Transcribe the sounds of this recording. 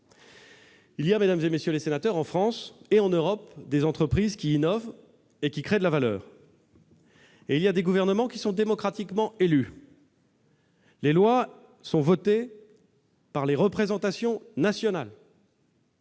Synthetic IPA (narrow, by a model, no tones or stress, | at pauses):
ilijamed̪amzemesjølesenat̪œʁɑ̃fχɑ̃seɑ̃nøʁɔpd̪ezɑ̃t̪χəpχizkʲiːnɔv | ekʲikχed̪əlavalœ̰ːʁ | eiljad̪eɡuvɛʁnəmɑ̃kʲisɔ̃d̪emɔkχat̪ikmɑ̃ely | lelwa | sɔ̃vɔt̪e | paʁleʁəpχezɑ̃t̪asjɔ̃nasjɔnal